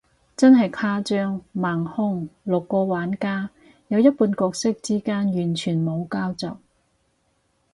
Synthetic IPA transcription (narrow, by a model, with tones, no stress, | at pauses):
t͡sɐ˥nɦɐ˨jkʰaː˥t͡ʃœː˥ŋmaː˨˩ŋhʊ˥ŋlʊ˨kːɔː˧waː˨˥nkaː˥ | jɐ˨˧wjɐ˥t̚puː˧nkɔː˧k̚sɪ˥k̚t͡siː˥kaː˥njyː˨˩nt͡ʃʰyː˨˩nmo˨˧wkaː˥wt͡sɐ˨w